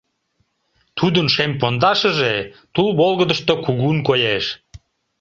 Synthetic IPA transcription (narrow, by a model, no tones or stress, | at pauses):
t̪ʰud̪ənʃempond̪ɑʃəʒet̪ulβolˠɣəd̪əʃt̪okuɣunkojeʃ